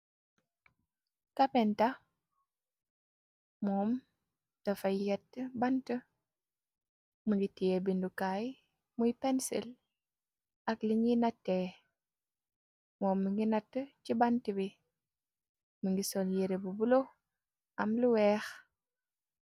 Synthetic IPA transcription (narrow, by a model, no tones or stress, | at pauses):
kapɛnta | mɔːm | tɐfajjɛtːəbantə | muŋɡitijebindukaj | mujpɛnsḭl | ɐkliŋɡinatːe | mɔːmːiŋɡinatːət͡ʃibantəbi | muŋɡisɔljeɾebubulo | ɐmluwɛːx